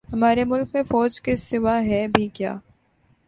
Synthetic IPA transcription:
hɐmaːɾemʊlk̚mẽfɔːd͡ʒkesɪʋaɦɛbʱikja̰ː

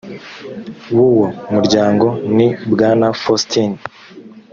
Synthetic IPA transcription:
wuwomuɾɟaːŋɡo̞nibɡaːnafostʰin

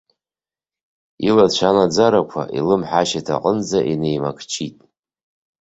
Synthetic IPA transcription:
ilat͡ʃʷʰanad͡zaɾakʷʰa̰ʔilɨmħaʃatʰa̰qʼənd͡zaʔine̞jmakʰt͡ʃʰitʼ

